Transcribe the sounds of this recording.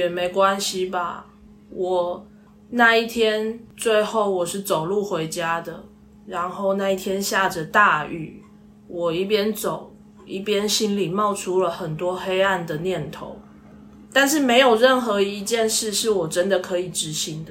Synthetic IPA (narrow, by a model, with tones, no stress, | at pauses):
ɛ˨˩me˧˥ɪkwa˦nɕi˨ba̰˨˩ | wɔ˨˩ | na˥˧i˥˩t̪ʰjɛ˦˥nt͡swe˥˧ɪxo˥˩ʊwɔ˨˩ʂɻ̩˥˩t͡so˨˩ʊlu˥˩xwe˧˥ɪt͡ɕja˥d̪ə˨ | ɻa˧˦nxo˥˩˧ʊna˥˧i˥˩t̪ʰjɛ˥nɕja˥˩d͡ʒə˨t̪a˥˧y̰˨˩ | wʔɔ˨˩i˥˩pjɛ˦nt͡so˨˩ʊ | ḭ˥˩pjɛ˥˦nɕi˥nli˨˩mɑ˥˩ʊʈ͡ʂʰu˥lə˨xə˨˩nt̪wɔ˦˥xe˥ɪa˥˩nd̪ə˩njɛ˥˩nt̪ʰo̰˧˦ʊ | t̪a˥˧nʂ̬ɻ̩˥˩me˧˥ɪjo˨˩ʊɻə˥˩nxɤ˧˥i˧˦t͡ɕjɛ˥˧nʂɻ̩˥˧ʂɻ̩˥˩wɔ˨˩ʈ͡ʂə˦nd̪ə˨kʰɤ˧˥i˨˩ʈ͡ʂɻ̩˧˥ɕi˧˥ŋd̪ə˨